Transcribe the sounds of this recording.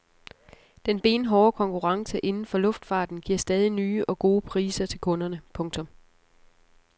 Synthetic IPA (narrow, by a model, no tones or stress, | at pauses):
d̥enb̥e̝̰ːnɦɒːkʰɒ̽ŋkʰuʁɑ̈ŋsəʔe̝nn̩fɒ̽lɔ̽fd̥fɑ̈ːd̥n̩ɡ̥iɐ̰sd̥ɛːðˠinyːʔɒ̽ɡ̥o̝ːpʰʁḭːsɐt͡sʰe̝lkʰɔ̽nɐnəpʰɔ̽ŋt͡sʰɔ̽m